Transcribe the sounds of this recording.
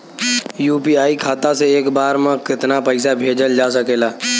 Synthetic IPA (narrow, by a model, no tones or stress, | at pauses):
juːpiaːikʰaːt̪aseeːkbaːɾmẽkɪt̪napəɪs̬abʱeːd͡ʒəld͡ʒaːsəkeːlaː